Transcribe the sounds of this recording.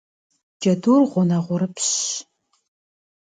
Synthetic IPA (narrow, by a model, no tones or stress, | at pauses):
d͡ʒɐduːrʁʷʊnɐʁʷʊɾɨpʰɕ